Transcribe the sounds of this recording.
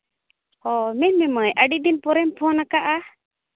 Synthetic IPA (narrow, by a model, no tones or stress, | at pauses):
ɔmɛnmɛməjʔəɖiʔd̪inpɔɾɛmpʰɔnakaʔa